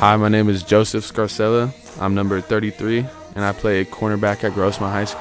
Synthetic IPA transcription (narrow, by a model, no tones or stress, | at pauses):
haɪmaɪñẽɪ̃mɨzd͡ʒoʊsɨfskɑɹsɛlˠə | ʔã̰ɪ̃mnʌ̃mbə˞θɜ˞ɾiθɹi | ʔɨ̃ñaɪpʰl̥eɪɨkʰɔɹnə˞bækɨt̚ɡ̥ɹoʊsmaɪɦaɪs